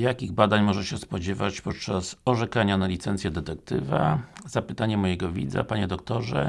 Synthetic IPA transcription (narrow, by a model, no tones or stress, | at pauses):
jakʲiɣbad̪aɲmɔʐɛɕɛspɔd͡ʑɛvat͡ɕpɔt̪t͡ʂasɔʐɛkaɲanalʲit̪sɛnt̪sʲjɛd̪ɛt̪ɛkt̪ɘ̰va̰zapɘt̪aɲɛmɔjɛɡɔvʲḭd̪za̰paɲɛd̪ɔkt̪ɔʐɛ̰